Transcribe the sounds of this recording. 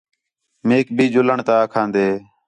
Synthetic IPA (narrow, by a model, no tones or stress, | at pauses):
meːk̚bʱiːd͡ʒʊləɳt̪aːkʰãːnd̪eː